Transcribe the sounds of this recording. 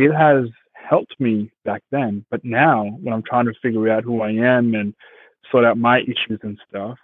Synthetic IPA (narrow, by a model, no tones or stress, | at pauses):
ɪt̚ɦɨz | hɛlˠp̚t̚mib̥æk̚ðɨ̃nb̥ʌtⁿnaʊwə̃nãɪ̃mtʰɹ̥aɪɪ̃ŋtʰɨfɪɡjə˞ɾaʊt̚ɦuaɪɨ̃mɨ̃n | sɔɾaʊt̚maɪʔɪʃʉzɨ̃nstʌf